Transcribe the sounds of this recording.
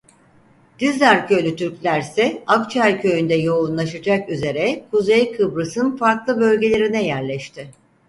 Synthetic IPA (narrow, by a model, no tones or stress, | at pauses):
d̪̥izʲæɾcʰølʲyt̪ʰyɾclʲæɾsɛakt͡ʃʰæɾcʰø̞jynd̪ɛjo̞unlˠaʃɯd͡ʒakyze̞ɾɛkʰuzejkʰɯbɾɯsɯnfaɾklˠɯbø̞lʲɟe̞lʲe̞ɾinɛjæɾlʲɛʃt̪ʰɪ